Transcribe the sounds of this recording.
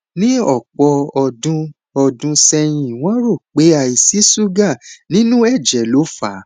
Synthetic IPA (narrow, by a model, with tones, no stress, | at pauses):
nĩ˦ɔ˦˨k͡pɔ˧ɔ˧dũ˧ | ɔ˧dũ˧sɛ˧j̃ĩ˧˨w̃ɔ̃˦ɾo˦˨k͡pe˨˦a˧i˨si˨˦su˦ɡa˦˨nĩ˦nũ˦ɛ˦˨d͡ʒɛ˨˦lo˨˦fa˨˦